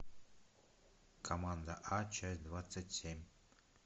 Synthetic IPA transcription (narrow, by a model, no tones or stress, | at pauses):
kʰɐmand̪əʔat͡ʃʰasʲd̪vat̪sɨtʲsʲemʲ